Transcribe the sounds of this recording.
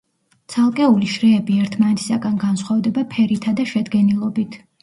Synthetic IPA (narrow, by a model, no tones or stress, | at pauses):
t̪sʰalˠkʼɛuliʃɾɛːbiɛɾt̪ʰmanɛt̪ʰi̥saɡanɡansχwavd̪ɛbapʰɛɾit̪ʰad̪aʃɛd̪ɡɛnilˠɔbit̪ʰ